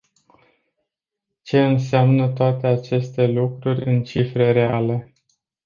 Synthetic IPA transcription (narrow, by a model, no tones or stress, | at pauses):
t͡ʃe̞ɨnseamnət̪oat̪e̞at͡ʃe̞st̪e̞lukɾurʲɨnt͡ʃifɾe̞ɾe̞ale̞